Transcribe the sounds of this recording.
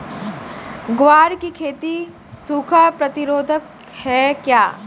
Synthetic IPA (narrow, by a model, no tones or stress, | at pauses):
ɡʋaːɾkikʰeːt̪i | suːkʰapɾɐt̪ɪɾoːd̪ʱək | hɛkjaː